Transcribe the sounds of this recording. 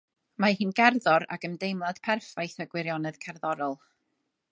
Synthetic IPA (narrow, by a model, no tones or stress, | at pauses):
mahɨnɡɛrðɔɾa̰ɡəndejmlˠad̥pʰɛrfajθaɡwɪɾjɔnɛðkʰɛrðɔɾɔlˠ